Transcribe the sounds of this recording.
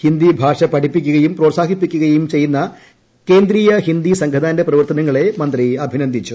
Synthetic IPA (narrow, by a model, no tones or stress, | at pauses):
hind̪ibʱaːʂɐpɐʈipːik̬ʲːuɣɐjumproːsaːɡipːikʲːuɣɐjumt͡ɕe̞jːunːɐ | ke̞ːnd̪ɾiːjɐhind̪isɐŋɡʰʱɐd̪aːndeprɐʋɐrt̪ɐnɐŋːɐɭe̞mɐnd̪riɐbʱinɐnd̪ʱit͡ɕːu